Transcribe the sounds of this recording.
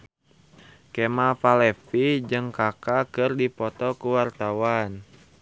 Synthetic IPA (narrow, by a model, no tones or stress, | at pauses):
kɛmafalɛfid͡ʒɨŋkakakɨrdipɔt̪ɔkuwart̪awan